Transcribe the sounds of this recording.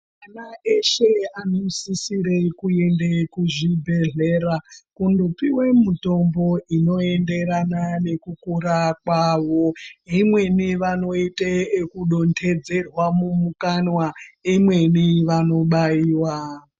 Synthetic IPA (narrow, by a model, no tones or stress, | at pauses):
manaeʃe̞anosisiɾe̞kue̞ndekuʐibʱe̞ɮe̞ɾakundopiwe̞muto̞mbo̞ʔino̞e̞nde̞ɾanane̞kukuɾakwaʋo̞ɦimwe̞niʋano̞iteekuɗontʰe̞d͡ze̞rwamumukanwaimwe̞niʋano̞ɓaiːwa